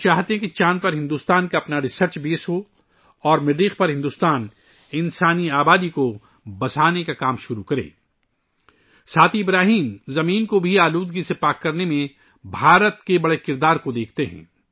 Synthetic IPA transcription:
t͡ʃaːɦt̪eɦɛ̃kit͡ʃaːnpɐɾɦɪ̃nd̪uːst̪aːnkaɐpnaɾɪsəɾt͡ʃbeːsɦo | ɔːɾmɪɖiːxpɐɾɦɪ̃nd̪uːst̪aːn | ɪ̃nsaːniaːbaːd̪iko | bɐsaːnekakaːmʃʊɾukɐɾḛː | saːt̪ʰiɪbɾaːɦiːmzɐmiːnkobʱiaːluːd̪ɡisepaːkːɐɾnemẽ | bʱaːɾət̪kebɐɽekɪɾd̪aːɾkod̪eːk̚ʰt̪eɦɛ̰̃ː

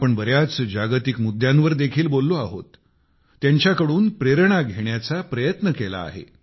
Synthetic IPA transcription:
apəɳbəɾjat͡sd͡ʑaɡt̪ikmud̪jãnʋəɾd̪ekʰiːlbolːoaɦot̪ː | jaɲt͡ɕjakəɽuːnpɾeɾɳaɡʱeɳjat͡sapɾəjət̪nəkela̰ːɦḛ

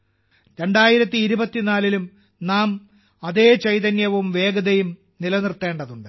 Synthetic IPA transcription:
ɾe̞ɳɖaːjiɾɐt̪ːiːɾubɐt̪ːinaːlilum | naːm | ɐðe̞ːt͡ɕɐjt̪̬ɐnjɐʋumʋe̞ːɡɐðɐjum | nilɐnirt̪ːe̞ːɳɖɐðuɳɖɨ

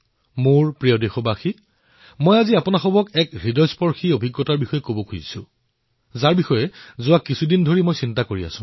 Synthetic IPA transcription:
moɹpɹiɔdexɔbaxi | mojaziapɔnaxɔbɔkɛkɹidɔjspɔɹxiobʱiɡːɔtaɹbixɔjɛkobɔkʰujisʊ̰̃ | zaɹbixɔjɛzʊwakːisʰudindʱoɹimojsintakoɹia̰sʊ̃

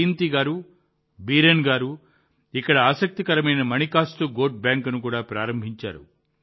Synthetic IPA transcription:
int̪iɡaːɾu | biːɾenɡaːɾu | ikːɐɽɐaːsɐk̚t̪ikɐɾɐmɐjnɐmɐnikaːst̪uɡoːʈ̚bjaːŋkɐnukuːɽaːpɾaːɾɐmbʱiɲt͡ʃa̰ːɾṵ

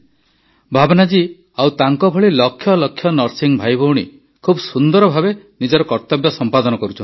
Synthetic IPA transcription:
bʱabnad͡ʒi | awt̪aŋkɔbʱɔɭilɔkʰːjɔlɔkʰːjɔnɔɾsiŋbʱajbʱouɽ̃ḭ | kʰubɔsund̪ɔɾɔbʱabenid͡ʒɔɾɔkɔɾt̪ɔbjɔsɔmpad̪ɔnɔkɔɾut͡ʃʰɔni

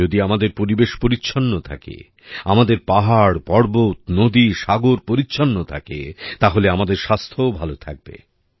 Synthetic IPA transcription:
od̪iamad̪eɾpoɾibeʃpoɾitːɕʰonːot̪ʰa̰kḛ | amad̪eɾpaɦaɽpɔɽbot̪nod̪iʃaɡoɾpoɾitːɕʰonːot̪ʰa̰kḛt̪aɦoleamad̪eɾʃast̪ʰoobʱalot̪ʰa̰k̚bḛ

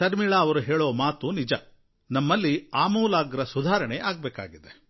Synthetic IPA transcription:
ɐɾmiɭaːʋɐɾuɦeːɭoːmaːt̪unid͡ʒɐ | nɐmːɐlːiaːmuːlaːɡɐɾɐsud̪ʱaːɾɐɳeʔaːɡ̚beːka̰ːɡid̪e

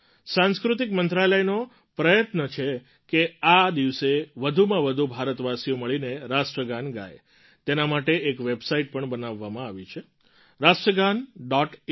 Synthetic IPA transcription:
sãnskɾut̪ikmənt̪ɾaləjno | pɾəjət̪nət͡ʃʰe | kead̪iʋseʋəd̪ʱumãʋəd̪ʱubʱaɾət̪ʋasijoməɭineɾasʈɾəɡanɡa̰j | t̪enamaʈeʔekʋebsaiʈ̚pəɳbənaʋːamãaʋit͡ʃʰe | ɾasʈɾəɡanɖɔʈ

